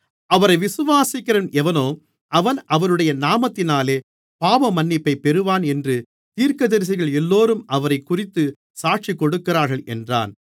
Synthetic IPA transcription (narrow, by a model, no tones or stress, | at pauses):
ʔɐʋɐɾɐɪʋɪsɯʋaːsɪkːɪɾɐnɛʋɐnoː | ʔɐʋɐnɐʋɐɾɯɽɐjɐnaːmɐt̪ːɪnaːleː | paːʋɐmɐnːɪpːɐɪpɛɾɯʋaːnɛndrɯ | t̪iːɾkɐðɐɾɪs̬ɪɣɐɭɛlːoːɾɯmʔɐʋɐɾɐɪkːʊrɪt̪ːɯ | saːʈʂikːɔɽɯkːɪraːɾɣɐɭʔɛ̰ndra̰ːn